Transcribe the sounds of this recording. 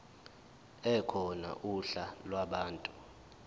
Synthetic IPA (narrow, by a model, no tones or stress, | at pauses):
ɛkʰɔna̰ʔuɬalwaɓaːntʼu